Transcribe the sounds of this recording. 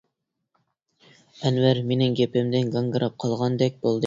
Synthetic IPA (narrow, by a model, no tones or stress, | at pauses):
ɛnvæɾmenɪŋɡʲepɪmd̪ɪnɡɑŋɡɨɾɑp̚qʰɑlˠʁɑnd̪ɛk̚ʲb̥olˠd̪ɨ